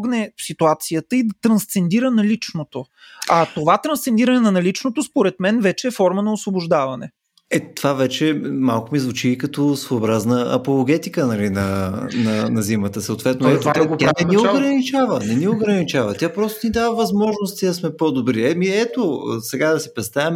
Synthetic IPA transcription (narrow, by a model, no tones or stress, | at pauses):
ɡnɛsit̪uat̪siət̪əid̪ɐt̪ɾɐ̃nst̪sɛnd̪iɾənɐlit͡ʃnot̪o | ɐt̪ovat̪ɾɐnst̪sɛnd̪iɾɐnɛnɐnɐlit͡ʃnot̪ospoɾɛt̪mɛnvɛt͡ʃɛːfɔɾmənɐosvobʊʒd̪avɐnɛ̰ | ɛt̪ovavɛt͡ʃɛmalˠkʊmizvʊt͡ʃiːkɐt̪osvoobɾaznəɐ̰polˠoɡɛt̪ikənɐlinɐnɐnɐzimət̪əsəot̪vɛt̪noɛaaanɛnioɡɾɐnit͡ʃavənɛnioɡɾɐnit͡ʃavət̪ʲjapɾɔst̪onid̪avəvɐzmɔʒnost̪id̪ɐsmɛpod̪obɾiɛmiɛt̪osɛɡad̪ɐsɛpɾɛst̪avɛm